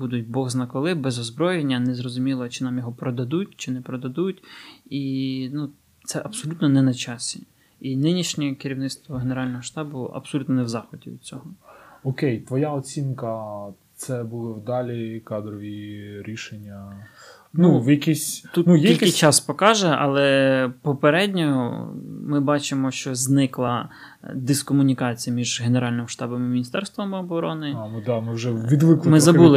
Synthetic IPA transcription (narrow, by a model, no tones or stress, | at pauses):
bud̪ʊt̚ʲbɔɣznɐkɔlˠɪbɛzɔzbɾɔjenʲːɐnɛzrɔzʊmʲilˠɐt͡ʃɪnɑmjɔɦɔpɾɔd̪ɐd̪ut̚ʲt͡ʃɪnɛpɾɔd̪ɐd̪utʲinu | t̪sɛʔɐbsɔlʲut̪nɔnɛnɐt͡ʃɑsʲi | inɪnʲiʃnʲɛkeɾʲiwnɪst̪ʋɔɦeneɾɑlʲnɔɦɔʃt̪ɑbʊɐ̰b̥sɔlʲut̪nɔnɛwzɑxɔdʲḭʋ̰̪̚t͡sʲɔɦɔɔkejt̪ʋɔjaɔt͡sʲinkɐ | t̪sɛbulˠɪwd̪ɑlʲikɑd̪ɾɔʋʲiɾʲiʃenʲːɐ | nuwjɐkʲisʲt̪ut̪nujilʲkɪt͡ʃɑspɔkɑʒɛɐ̰lˠɛpɔpeɾɛdʲnʲɔɦɔ̰mɪbɑt͡ʃɪmɔʃt͡ʃɔznɪklˠɐ | d̪ɪskɔmʊnʲikɑt͡sʲijɐmʲiʒɦeneɾɑlʲnɪmʃt̪ɑbɔmɪmʲinʲist̪ɛɾst̪ʋɔmɔbɔɾɔnɪmɪd̪ɑmɪwʒɛʋʲid̪ʋɪklˠmɪzzɐbulˠɪ